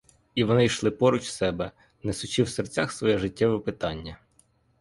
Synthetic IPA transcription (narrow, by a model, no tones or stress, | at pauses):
iʋɔnɪjʃlˠɪpɔɾut͡ʃsɛbɛ | nɛsʊt͡ʃiwsert͡sʲaxsʋɔjɛʒɪtʲːɛʋɛpɪt̪ɑnʲːɐ